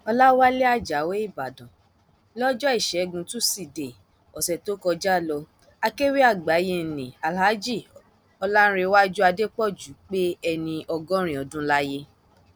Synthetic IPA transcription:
ɔ˧la˦wa˦le˦a˦˨d͡ʒa˨˦we˦i˦˨ba˨dã˨ | lɔ˦d͡ʒɔ˦i˦˨ʃɛ˨˦ɡũ˧tũ˦si˦˨de˨ | ɔ˨sɛ˨to˦kɔ˧d͡ʒa˦˨lɔ˧ | a˧ke˦wi˦a˦˨ɡ͡ba˨˦je˧˨nĩ˨a˨lha˨˦d͡ʒi˦˨ | ɔ˧la˦n˦ɾe˧wa˦d͡ʒu˦a˧de˦k͡pɔ˦˨d͡ʒu˨˦k͡pe˦ɛ˧nĩ˧ʔɔ˧ɡɔ̃˦ɾ̃ĩ˦˨ɔ˨dũ˦la˦je˦

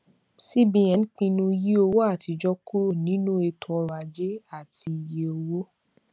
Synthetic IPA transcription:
si˦bĩ˨˧˨ɛ̃˨n̩˦k͡pĩ˧nũ˧ji˦o˧wo˦a˦˨ti˧d͡ʒɔ˦ku˦ɾo˦˨nĩ˨˦nũ˦e˧tʰu˧ɔ˧ɾa˨d͡ʒe˦a˦˨ti˧˨je˦o˧wo˦

